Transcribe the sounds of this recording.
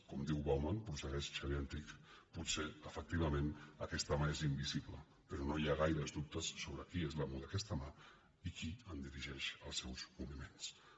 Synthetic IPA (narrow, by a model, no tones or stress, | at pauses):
kɔmd̪iwβawmanpɾusəɣɛsʃəβiɛnt̪ikput̪seəfək̚t̪iβ̞əmenəkɛst̪əmaezimbiziplə̰ | pəɾɔnojaɣ̞ajɾəzd̪up̚t̪əsːoβ̞ɾəkiezləmuðəkɛst̪əma | ikiənd̪iɾiʒɛʃəlˠsɛwzmuβimens